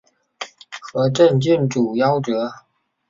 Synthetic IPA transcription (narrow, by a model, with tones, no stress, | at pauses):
xɤ˧˥ʈ͡ʂə˥˧nt͡ɕy˥˩nʈ͡ʂu˨˩jɑ˥˧ʊʈ͡ʂɤ˧˥